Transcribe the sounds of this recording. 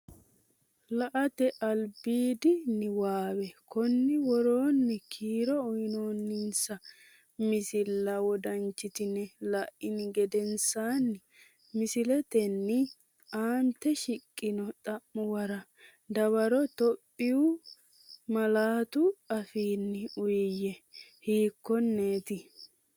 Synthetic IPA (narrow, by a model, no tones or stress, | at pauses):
lɐʔɐt̪ɛʔɐlbiːd̪ɪnɪwaːwɛkɔnːɪwɔɾoːnːɛkʰiːɾɔɔjnoːnːɪnsɐ | mɪsɪlːɐwɔd̪ɐnt͡ʃːɪt̪ɪnɛlɐʔɪnɪɡɛd̪ɛnsaːnːɪ | mɪsɪlɛt̪ɛnːɪ | aːnt̪ːɛʃɪkʼːɪnɔt̪ʼɐʔːɔwɐɾɐ | d̪ɐβɐɾɔt̪ɔpʼːɪʊ | mɐlaːt̪ʊɐfiːnːɪʊjjɛhiːkːɔnːeːt̪ɪ